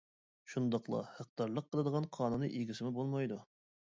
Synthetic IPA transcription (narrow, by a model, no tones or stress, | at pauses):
ʃund̪ɑqlˠɑ̰hæq̚t̪ɑɾlˠəqʰːəlˠɨd̪əʁɑnqʰɑːnunɨʔiɡʲisɪmɪbolˠmɑjd̪u